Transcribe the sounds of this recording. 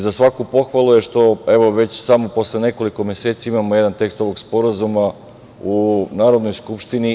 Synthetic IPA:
zasʋakupo̞xʋalˠuje̞ʃt̪o̞e̞ʋo̞ʋe̞t͡ɕsamo̞po̞slˠene̞ko̞liko̞mje̞se̞ːt̪saimamo̞jed̪ant̪e̞kst̪o̞ʋo̞ɡspo̞ɾazuma | unaːɾo̞d̪nojskupʃt̪ini

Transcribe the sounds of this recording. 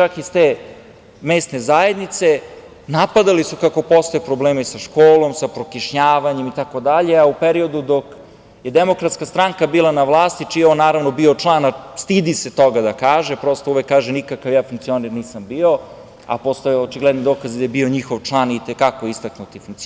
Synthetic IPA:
t͡ʃakist̪eː | meːst̪ne̞zae̞d̪nit̪se̞ | napad̪alisukako̞po̞st̪ojepɾo̞bleːmisaʃkoːlˠo̞msapɾokiʃɲaːʋaɲe̞mit̪ako̞d̪aʎeaupeɾio̞d̪ud̪o̞k | jed̪emo̞kɾat̪skast̪ɾaŋkabiːlˠanaʋlˠaːst̪it͡ʃijeonːaːɾaʋno̞biot͡ʂlˠaːnast̪id̪ise̞t̪o̞ɡad̪akaːʒepɾo̞st̪ouʋekːaːʒenikakaʋjaːfuŋk̚t̪sioneɾniːsambio̞ | a̰po̞st̪ojeot͡ʃiɡlɛd̪nid̪oːkazid̪ajebio̞ɲixoʋʈ͡ʂlˠaːnit̪ekakoist̪aknut̪ifuŋk̚t̪i

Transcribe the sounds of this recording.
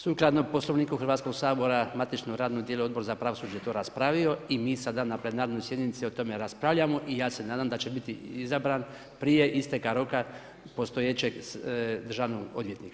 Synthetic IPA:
suklˠad̪no̞po̞slˠo̞ʋniːkuxrɾʋaːt̪sko̞ɡsaːbo̞ɾamat̪it͡ʃnoɾaːd̪nod̪jeluo̞d̪bo̞ɾzapɾaʋo̞suːd͡ʒajet̪o̞ːɾaspɾaʋio̞imiːsad̪anaplˠe̞naːɾnojsjeɲenit̪siot̪o̞me̞ɾaspɾaʋʎamo̞ʔijaːse̞naːd̪amd̪at͡ʃe̞bit̪iizabɾan | pɾije̞ʔist̪ekaɾo̞ka | po̞st̪ojet͡ɕeɡd̪ɾ̩ʒaʋnoɡod̪ʋje̞t̪nika

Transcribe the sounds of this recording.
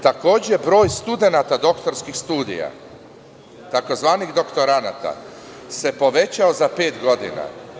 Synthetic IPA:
t̪ako̞ːd͡ʑebɾo̞ːjst̪ud̪e̞nat̪ad̪o̞kt̪o̞ɾskixst̪uːd̪ḭja̰ | t̪ako̞zʋaːniɣd̪o̞kt̪o̞ɾanat̪a̰ | se̞po̞ʋe̞t͡ɕaozape̞ːt̪ɡo̞d̪ḭna̰

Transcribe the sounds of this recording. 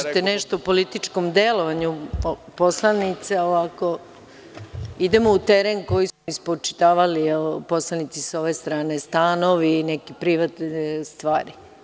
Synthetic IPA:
ʒit̪eneʃt̪oupolit̪it͡ʃkomd̪elo̞ʋaɲuposlˠanit̪seoʋako | id̪emout̪eɾenko̞jismoispot͡ʃi̥t̪aːʋalipo̞slˠanit̪siso̞ʋe̞st̪ɾaːnest̪aːno̞ʋinekipɾiʋat̪est̪ʋaːɾi

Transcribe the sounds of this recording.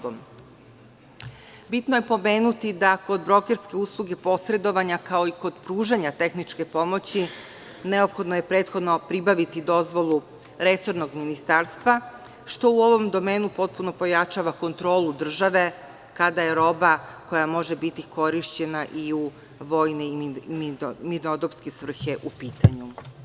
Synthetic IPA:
bom | bit̪noje̞po̞me̞ːnut̪id̪ako̞d̪bɾo̞ke̞ɾske̞uːslˠuɡe̞po̞sɾe̞d̪o̞ʋaɲakao̞iko̞d̪pɾuːʒaɲat̪e̞xnit͡ʃke̞po̞mo̞t͡ɕi | ne̞o̞pxo̞d̪noje̞pɾe̞ːt̪xo̞d̪no̞pɾibaʋit̪id̪o̞zʋo̞lˠu | ɾe̞so̞ɾno̞ɡminist̪aːɾst̪ʋa | ʃt̪o̞uo̞ʋo̞md̪o̞me̞ːnupo̞t̪̚puno̞po̞jat͡ʃaʋako̞nt̪ɾo̞ːlˠud̪r̩ʒaʋe̞ | kad̪aje̞ɾo̞bako̞jamo̞ʒebit̪iko̞ɾiʃt͡ɕe̞naʔiu | ʋo̞jne | mid̪od̪opske̞sʋr̩xe̞ʔupiːt̪aɲu

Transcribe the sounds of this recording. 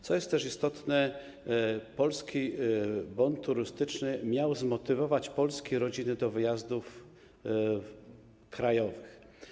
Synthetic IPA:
t̪sɔjɛst̪t̪ːɛʂist̪ɔt̪nɛ | pɔlskʲibɔnt̪ʰːuɾɘst̪ɘt͡ʂnɘmʲjawzmɔt̪ɘvɔvat͡ɕpɔlskʲejɾɔd͡ʑinɘd̪ɔvɘjazd̪uf | kɾajɔvɘx

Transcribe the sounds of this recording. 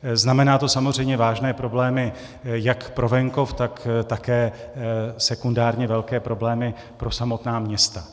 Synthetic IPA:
znamɛnaːt̪o̞samor̝ɛjmɲɛvaːʒnɛːpɾo̞blɛːmɪ | jakpɾʔo̞vɛŋko̞ft̪akt̪akɛː | sɛkundaːɾɲɛvɛlkɛːpɾo̞blɛːmɪ | pɾo̞samo̞t̪naːmɲɛst̪a

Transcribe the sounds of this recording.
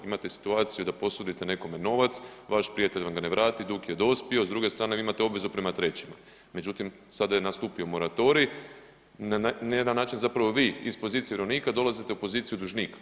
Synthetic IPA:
imat̪e̞si̥t̪uaːt̪sijud̪apo̞sud̪it̪ene̞ko̞me̞no̞ʋat̪sʋaʃpɾijat̪e̞ʎʲʋamɡane̞ʋɾaːt̪id̪ukje̞d̪o̞spio̞zd̪ɾuɡest̪ɾaːneimat̪eo̞bʋezupɾe̞mat̪ɾe̞t͡ɕima | me̞d͡ʑut̪im | sad̪aje̞nast̪uːpiomo̞ɾat̪o̞ɾi | naned̪anːaːt͡ʃinzapɾaʋo̞ʋiːispo̞zit̪sieeɾo̞niːkad̪o̞lˠazit̪eupo̞ziːt̪sijud̪uʒniːkḁ

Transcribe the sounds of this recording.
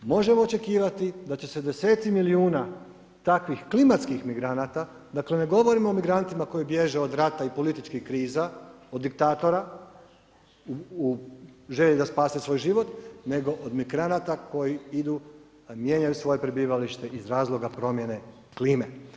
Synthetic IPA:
mo̞ʒe̞moot͡ʃe̞kiːʋat̪id̪at͡ɕe̞se̞d̪e̞se̞ːt̪similiuːna | t̪akʋixklimat̪skixmiɡɾanat̪a | d̪aklene̞ɡo̞ʋo̞ɾimoomiɡɾant̪imako̞jibje̞ʒeo̞d̪ɾat̪aipo̞lit̪it͡ʃkixkɾiːzaod̪ːik̚t̪aːt̪o̞ɾa | uuʒe̞ʎid̪aspaːsesʋo̞ːjʒiʋo̞t̪ne̞ɡo̞ʔod̪miɡɾanat̪ako̞jiid̪u | mje̞ɲajusʋo̞je̞pɾebiːʋaliʃt̪e̞ʔizɾaːzlˠo̞ɡapɾo̞mje̞ne̞ | kliːme̞

